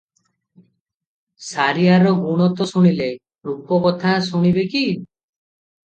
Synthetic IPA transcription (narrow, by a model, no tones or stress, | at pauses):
saɾiaɾɔɡuɽ̃ɔt̪ɔsuɽ̃ile | ɾupɔkɔt̪ʰasuɽ̃ibeki